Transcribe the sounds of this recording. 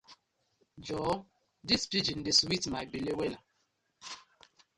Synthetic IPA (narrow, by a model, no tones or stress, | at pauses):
d͡ʒɔ | dispid͡ʒindeswitmajbilewɛla